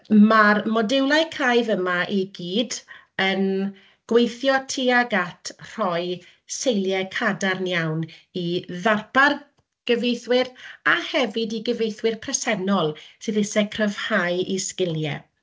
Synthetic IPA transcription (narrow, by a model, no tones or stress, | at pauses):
marmɔdɪwlˠajkʰajvəmaʔiɡiːd | ən | ɡ̥wejθjɔtʰiːaɡatʰr̥ɔɨ | sejlˠjɛkʰadarnjawniðarpar | ɡ̥əvejθwɪɾahɛvɪdiɡəvejθwɪrpʰrɛsɛnɔlˠsɨðɪsɛkʰrəv̥hajʔiskɪlˠjɛ̰